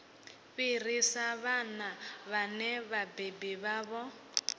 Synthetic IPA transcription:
ɸir̤isaβanaβanɛβabebiβaːβɔ

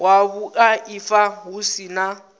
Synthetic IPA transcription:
waβukʼaifaɦusina

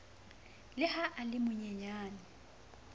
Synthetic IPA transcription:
lɪhaʔalɪmʊɲɛɲaːnɪ

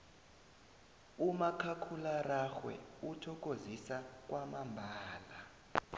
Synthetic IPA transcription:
umakʰakʰularaxwɛ̰utʰɔk̬ʼozisak̬ʼwamambʱaaːla

